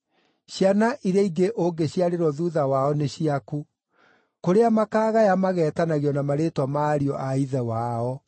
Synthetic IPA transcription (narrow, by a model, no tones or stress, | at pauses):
ɕjanaʔiɾaiɡeʔoŋɡeɕjaɾeɾwɔðuðawaɔneɕiaku | koɾeamakaːɣajamaɣɛːtanaɣeɔnamaɾetwamaːɾiɔʔaiðɛwaɔ